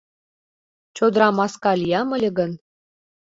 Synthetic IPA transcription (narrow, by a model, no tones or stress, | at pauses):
t͡ɕod̪ɾɑmɑskɑlʲijɑmə̆lʲɘ̆ɡə̆n